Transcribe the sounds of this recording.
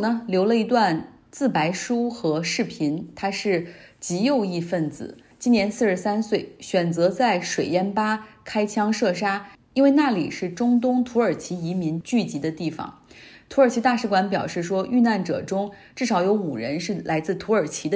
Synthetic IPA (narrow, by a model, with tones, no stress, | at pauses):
nə˩ljo˧˥ʊlə˧i˧˥t̪̬wa˥˧n | t͡sɹ̩˥˩pa˧˥ɪʂu˥xɤ˧˥ʂɻ̩˥˩pʰi˧˥nt̪ʰa˥ʂɻ̩˥˩t͡ɕi˧˥jo˥˧ʊi˥˧fə˥˩nt͡sɹ̩̰˨˩˦ | t͡ɕi˥nnjɛ˧˥nsɹ̩˥˧ʂɻ̩˥˩sa˥nswe˥˩ɪɕɥɛ˨˩nt͡sɤ˧˥t͡sa˥˩ɪʂwe˨˩ɪjɛ˥˩npa˥kʰa˥ɪt͡ɕʰjɑ˥ŋʂɤ˥˩ʂ̬a˥ | i˥nwe˥˧ɪna˥˩lḭ˨˩ʂɻ̩˥˩ʈ͡ʂʊ˥ŋt̪̬ʊ˥ŋt̪ʰu˧˥ə˞˨˩t͡ɕʰi˧˥i˧˥mi˧˥nt͡ɕy˥˩t͡ɕi˧˥d̪ə˧t̪i˥˩fɑ̰˨˩˦ŋt̪ʰu˥ə˞˨˩t͡ɕʰi˧˥t̪a˥˧ʂɻ̩˥˩kwa˧˥npjɑ̰˨˩ʊʂɻ̩˥˩ʂwɔ˥ʔy˥˧na˥˩nʈ͡ʂɤ̰˨˩ʈ͡ʂʊ˥ŋʈ͡ʂɻ̩˥˩ʂɑ˧˥ʊjo˧˥ʊu˨˩ɻə˧˥nʂɻ̩˥˩lʔa˧˥ɪt͡sɹ̩˥˩t̪ʰu˧˥ə˞˨˩t͡ɕʰi˧˥d̪ə˧